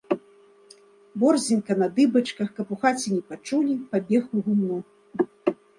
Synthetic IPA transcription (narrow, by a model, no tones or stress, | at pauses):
bɔrzʲinkɐnɐd̪ɨbɐt͡ʂkɐxkɐpuxat͡sʲinʲɛpat͡ʂulʲipabʲɛxuɣumnu